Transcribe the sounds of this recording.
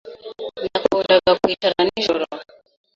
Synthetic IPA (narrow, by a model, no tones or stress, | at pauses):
nakɔndakakuitaɾaniʒɔɾa